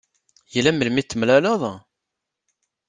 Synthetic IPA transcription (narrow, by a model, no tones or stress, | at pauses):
jəlæməlmit̪ːəmlælɑðˤ